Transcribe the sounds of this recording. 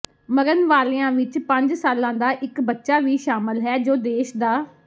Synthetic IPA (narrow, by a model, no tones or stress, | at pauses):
məɾənʋaːleːãːʋɪt͡ʃpə̃ɲd͡ʒsaːlãːd̪aːʔɪkbətːʃaːʋiːʃaːməlɦɛːd͡ʒoːd̪eːʃd̪aː